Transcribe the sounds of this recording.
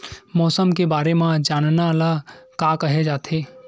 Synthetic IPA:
mɔːsəmkebaːɾemãd͡ʒaːnnalakakəɦed͡ʒaːt̪ʰeː

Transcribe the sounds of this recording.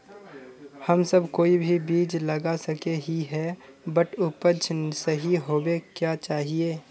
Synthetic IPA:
həmsəbkoːibʱibiːd͡ʒləɡasəkeɦiɦɛbəʈʰʊpət͡ʃʰsəɦiɦoːbekjaːt͡ʃaːɦieː

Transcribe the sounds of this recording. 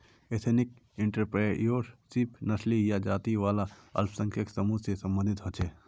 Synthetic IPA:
et̪ʰenɪk̚ | ɪ̃ɳʈəɾpɾejoːɾsipʰnɐslijad͡ʒaːt̪iʋaːlaɐ̰lpʰsə̃ŋkʰjəksəmusesə̃mbə̃nd̪ʱɪt̪ɦot͡ʃʰeː

